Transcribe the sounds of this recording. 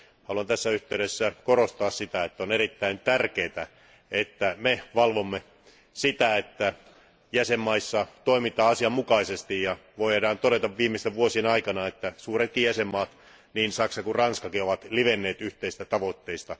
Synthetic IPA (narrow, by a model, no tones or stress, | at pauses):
hɑluɑnt̪æsːæyht̪eyɾesːækorost̪ɑːssit̪æet̪ːæoneɾit̪ːæint̪ærkeːt̪æ | et̪ːæmeʋɑlʋomːe | sit̪æet̪ːæ | jæsemːɑisːɑt̪oimit̪ɑːɑsiɑmmukɑisest̪ijjɑʋoiedɑːnt̪oɾet̪ɑʋʋiːmːest̪eʋʋuosienɑikɑnɑet̪ːæsuːret̪̚kijæsemːɑːt̪ | niːnsɑksɑkurrɑnskɑkioʋɑt̪liʋenːeːt̪yht̪eist̪æt̪ɑʋot̪ːeist̪ɑ